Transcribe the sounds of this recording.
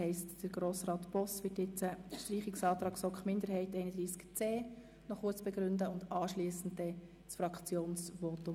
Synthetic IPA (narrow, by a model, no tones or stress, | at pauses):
ɛɪstd̥əɾɡ̥ɾoːsrɑːt̪b̥ɔsʋɪtjɪt͡səʃtriːχɪksɑːt̪ɾɑːksɔkχmɪndəɾɦhɛɪtɛɪnəd̥̪ɾiːskt͡seː | nɔχʊət͡sb̥ɛɡɾʏndəʊndɑːʃliːsn̩d̚dɛ | sfrɑkt͡sjoːnsʋɔːtʊ